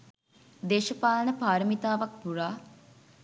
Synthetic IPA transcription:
d̪eːʃəpaːlənəpaːɾəmit̪aːʋak̚puraː

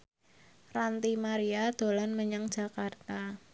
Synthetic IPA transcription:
rant̪imaɾiad̪̥o̤lanməɲəŋd̥d͡ʒʒ̥a̤kart̪a

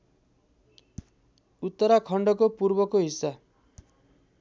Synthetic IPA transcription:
ut̪ːʌɾakʰʌɳɖʌkopuɾbʌkoɦisːa

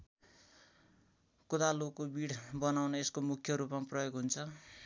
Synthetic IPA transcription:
kud̪alokːobiɽbʌnawnʌeskomukʰjʌɾupmaprʌjoɡɦunt͡sʰʌ

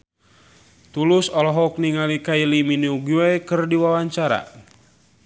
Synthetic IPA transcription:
t̪ulusɔlɔɦɔk̚niŋalikailiminiuɡiwajkɨrdiwawaɲt͡ʃaɾa̰

